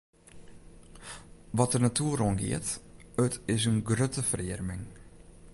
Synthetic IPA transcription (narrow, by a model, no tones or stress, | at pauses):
ʋɔt̚ənatʰuəronɡɪ̰ətətɪsənɡrøtəfrɪərmɪŋ